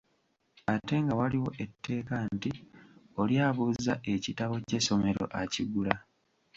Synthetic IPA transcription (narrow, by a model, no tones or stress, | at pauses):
ate̞ŋɡawaliwo̞ʔe̞tʰːe̞ːkantio̞ljaːβuzzaʔe̞citaβo̞ce̞so̞me̞ɾo̞̰ʔaciɡula